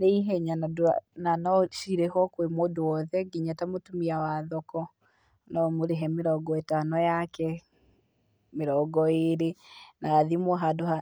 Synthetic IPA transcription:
neiɦɛɲanadananɔʃiɾehɔkwemoːdowɔðɛɡiɲatamotumiawaðɔkɔ | nɔmoɾeɦɛmeɾɔɡɔetanɔjakɛ | meɾɔɡɔeɾenaːðimɔɦadoɦa

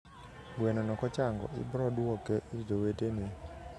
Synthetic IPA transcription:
ɡwenɔnɔkɔt͡ʃaŋɡɔ̰ɪ̰bɾɔduɔkeʔid͡ʒowetenɪ

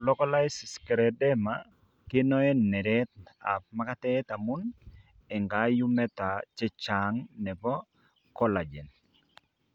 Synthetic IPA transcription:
lɔkɔlajsiskɛɾɛdɛma | kɪnɔɛnːɛɾɛt̚a̰p̚makatɛtamun | ɛŋɡajumɛtat͡ʃɛt͡ʃaŋnɛbɔ | kɔlad͡ʒɛn

